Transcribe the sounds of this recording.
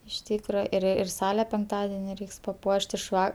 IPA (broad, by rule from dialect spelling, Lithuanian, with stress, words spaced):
ɪʃ ˈtʲiːkrɐ ɪr ɪr ˈsɑːlʲɛ pʲɛŋkˈtɑːdʲɛnʲɪ ˈrʲɛɪks pɐˈpuɔʃʲtʲ ɪʃ ˈʋɐ